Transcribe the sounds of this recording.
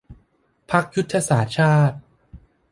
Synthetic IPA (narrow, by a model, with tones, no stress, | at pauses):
pʰa˦˥k̚ju˦˥t̪ʰːa˧saː˩˦t͡ɕʰaː˥˩t̪̚